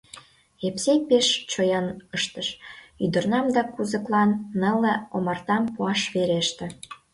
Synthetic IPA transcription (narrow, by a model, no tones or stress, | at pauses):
epsepeʃt͡ɕojɑnəʃt̪əʃyd̪ə̆rnɑmd̪ɑkuzə̆klɑnːəlĕomɑrt̪ɑmpuɑʃβeɾeʃt̪ĕ